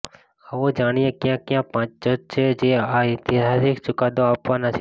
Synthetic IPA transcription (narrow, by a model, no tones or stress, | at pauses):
əʋod͡ʒaːɽ̃ijekjãːkjãːpãːt͡ʃd͡ʒod͡ʒ̚t͡ʃʰeːd͡ʒeːaːɪt̪ɪɦaːsikt͡ʃʊkaːd̪oaːpʋãːnat͡ʃʰ